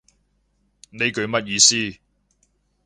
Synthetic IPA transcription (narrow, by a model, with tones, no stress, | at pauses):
ne˨˧jkɵ˨˧ɥmɐ˦˥t̚jiː˨˧siː˥